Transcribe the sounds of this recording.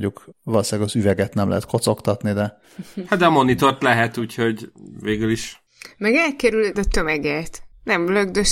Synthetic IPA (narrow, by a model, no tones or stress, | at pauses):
ukʋɒlosaːɡɒzyvɛɡɛt̪nɛmlʔɛ̰ɦɛt̪kʰo̞t̪so̞kt̪ɒt̪nid̪ɛ | hɑt̪̚d̪ɛmonit̪ort̪lɛɦɛt̪uːcho̞ɟveːɡyliʃ | mɛɡɛlkɛɾyld̪ɒt̪ømɛɡɛt̪nɛmløɡd̪ø